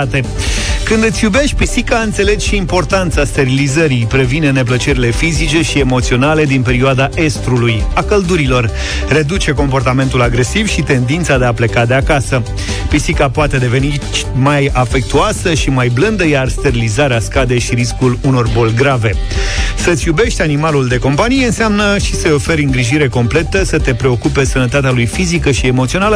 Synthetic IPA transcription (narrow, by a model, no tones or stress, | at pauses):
at̪e̞ | kɨnd̪ɨt̪sʲjube̞ʃt̪̚ʲpisikaɨnt̪se̞le̞ɡʃiːmpo̞rt̪ant̪sast̪e̞ɾilizəɾijpɾe̞vinene̞p̬lət͡ʃe̞ɾile̞fizit͡ʃe̞ʃie̞mo̞t̪sio̞nale̞d̪inpe̞ɾioad̪aʔe̞st̪ɾulujakəld̪uɾilo̞r | re̞d̪ut͡ʃe̞ko̞mpo̞rt̪ame̞nt̪ulaɡɾe̞sivʃit̪e̞nd̪int̪sad̪e̞aple̞kad̪e̞akasə | pisikapoat̪e̞d̪e̞ve̞ni | t͡ʃmajafe̞k̚t̪uasəʃimajblɨnd̪əjarst̪e̞ɾilizaɾeaskad̪e̞jʃiɾiskuluno̞rbo̞lʲɡɾave̞sət̪sʲjube̞ʃt̪ʲanimaluld̪e̞ko̞mpanijeɨnseamnəʃisəjo̞fe̞ɾɨŋɡɾiʒiɾe̞ko̞mple̞t̪əsət̪e̞pɾe̞o̞kupe̞sənət̪at̪ealujfizikəʃie̞mot̪sio̞nalə